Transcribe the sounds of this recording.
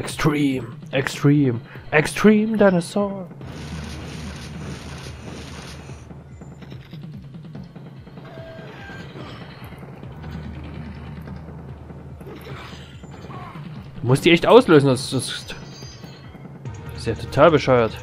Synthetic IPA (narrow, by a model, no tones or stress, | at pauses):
ʔɛkstʁ̥iːm | ʔɛkstʁ̥iːmʔɛkstʁ̥iːmdaɪnəsɔŋ | d̥uːmʊstd̥iːʔɛçtʔaʊsløːzn̩asdʊst | seːɐtʰotʰaːlbəʃɔʏɐt